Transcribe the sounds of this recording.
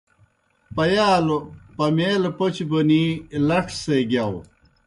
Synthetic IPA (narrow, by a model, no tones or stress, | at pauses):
pɐjaːlopɐmeːlpot͡ɕibonilɐʈʰseɡjaw